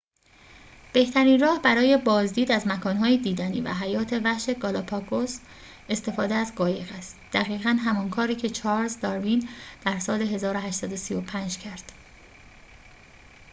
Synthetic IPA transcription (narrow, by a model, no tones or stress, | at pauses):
b̥e̞ht̪ʰæɾiːnrɒːhbæɾɒːje̞bɒːzd̪iːd̪æzmækʰɒːnɦɒːjed̪iːd̪æniːvæ̰ɦæjɒːt̪ʰe̞væʃe̞ɡɒːlɒpʰɒkʰos | e̞st̪e̞fɒːd̪eæzɢɒːje̞ɣæst̪d̪̥æɣiːɣænɦæmɒnkʰɒːɾiːcʰe̞t͡ʃʰɒːɾzd̪ɒɾvind̪̥æɾsɒːle̞ɦe̞zɒːɾoɦæʃt̪sæd̪osijopʰænd͡ʒcʰæɾd̪̥